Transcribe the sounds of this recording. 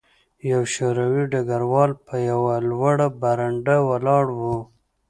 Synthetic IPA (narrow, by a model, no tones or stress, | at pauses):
jawʃoɾawiɖaɡaɾwɑlpʰəjawalwaɽabaɾaɳɖawalɑɽwu